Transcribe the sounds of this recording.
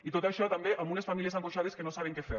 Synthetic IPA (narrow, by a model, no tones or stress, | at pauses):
it̪ot̪aʃɔt̪ambeʔamunesfamilies̬aŋkoʃaðeskenosaβ̞eŋkefe